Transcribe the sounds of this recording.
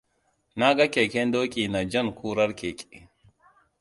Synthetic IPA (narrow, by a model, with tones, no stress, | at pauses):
naː˦ɡɐ˦ke˨kɛ˦nd̪o˦kʼiː˨nɐ˨d͡ʒɐ˦nkʰuː˦ɾɐ˦ɾke˨kʼi